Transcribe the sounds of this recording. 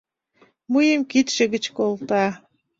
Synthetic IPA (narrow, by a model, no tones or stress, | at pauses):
mujəmkit̪ʃĕɣət͡ɕkolt̪ɑ